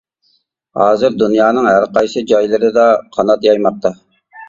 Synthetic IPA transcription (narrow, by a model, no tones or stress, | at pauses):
hɑːzɨɾd̪unjɑːnɨŋɦæɾqɑjsɨd͡ʒɑjlˠɨɾɪd̪ɑqʰɑnɑt̪jɑjmɑq̚t̪ʰɑ